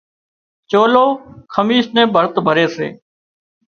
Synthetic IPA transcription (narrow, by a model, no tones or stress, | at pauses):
t͡ʃoːloːkʰəmiːʃnẽːbʱəɾt̪bʱəɾeːsḛː